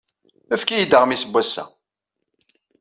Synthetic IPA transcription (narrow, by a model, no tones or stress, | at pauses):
əfkijid̪əʁmisəbʷːæsːæ̰